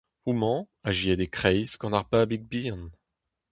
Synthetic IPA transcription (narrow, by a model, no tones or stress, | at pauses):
umɑ̃ | aʒiɛd̪ekχɛjskɑ̃naʁpabiɡ̚bin